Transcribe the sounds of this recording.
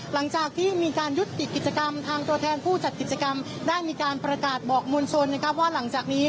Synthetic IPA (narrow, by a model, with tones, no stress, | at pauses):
la˩˦ŋt͡ɕaː˨˩k̚t̪ʰiː˥˩miː˧kaː˧nju˦˥t̪ːi˨˩kːi˨˩t̪̚t͡ɕa˧ka˧mt̪ʰaː˧ŋt̪u˧t̪ʰɛː˧npʰuː˥˩t͡ɕa˨˩t̪̚ki˨˩t̪̚t͡ɕa˧ka˧m | daː˥˩jmiː˧kaː˧npɾa˧kaː˨˩t̪̚bɔː˨˩k̚mo˧nt͡ɕʰo˧nːa˦˥kʰa˦˥p̚waː˥˩la˩˦ŋt͡ɕaː˨˩k̚niː˦˥